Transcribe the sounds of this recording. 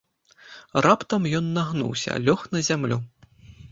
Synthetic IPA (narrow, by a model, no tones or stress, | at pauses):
rapt̪ɐmjɔnːaɣnṵwsʲɐ̰lʲɔxnɐzʲamlʲu